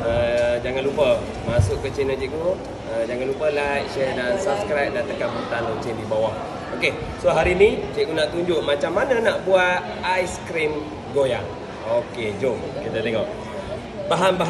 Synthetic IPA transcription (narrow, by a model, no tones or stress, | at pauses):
əd͡ʒaŋanlupə | masʊʔkət͡ʃinət͡ʃiʔku | əd͡ʒaŋãnlupəlajʔʃɛdansabskɾap̚dant̪əkampərt̪anot͡ʃɪndibawaʔ | okesoɦaɾinit͡ʃiʔkunaʔt̪uɲd͡ʒʊʔmat͡ʃamːananaʔbuaʔ | ajskɾim | ɡojaŋ | oked͡ʒomkit̪at̪eŋɔʔ | baɦambaɦ